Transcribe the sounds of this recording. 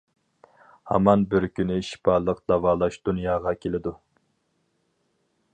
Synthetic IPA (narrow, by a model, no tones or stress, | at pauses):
hɑ̰mɑnbɪɾkʲynɪʃi̥pʰɑlˠəq̚d̪̥ɑvɑːlˠɑʃd̪unjɑːʁɑkʲʰelɪd̪u